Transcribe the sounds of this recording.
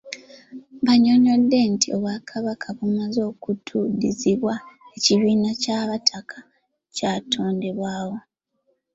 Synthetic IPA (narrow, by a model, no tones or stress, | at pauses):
βaɲo̞no̞dːe̞ntʰio̞βwakʰaβakʰaβumazo̞ːkutʰudiziβwaeciβiːnacaβatʰakʰḁ | caːtʰo̞ːnde̞βwaːwo̞